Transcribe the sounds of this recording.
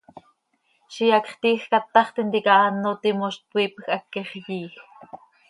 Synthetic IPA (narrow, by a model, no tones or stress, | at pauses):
ʃijɑkχt̪iːxkat̪ːɑχt̪int̪ikɑʔɑnːot̪imoʃt̪̚pwʷiːpxʔɑkːeχjiːx